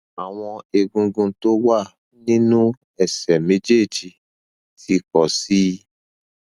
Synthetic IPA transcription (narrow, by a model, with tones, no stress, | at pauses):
a˨w̃ɔ̃˧e˧ɡũ˧ɡũ˧to˦wa˦˨ | nĩ˦nũ˦ | ɛ˦˨sɛ˨mẽ˨˦d͡ʒe˦˨d͡ʒi˧ | ti˧kɔ˨si˦